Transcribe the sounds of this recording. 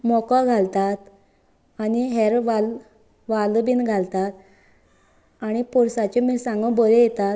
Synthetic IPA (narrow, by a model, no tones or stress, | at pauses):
mɔkaɡʱalt̪at̪ | aniɦeɾʋal | ʋalbinɡʱalt̪at̪ | aɽ̃ipɔɾsat͡ɕemisãŋɡə̃bɔɾejɛt̪at̪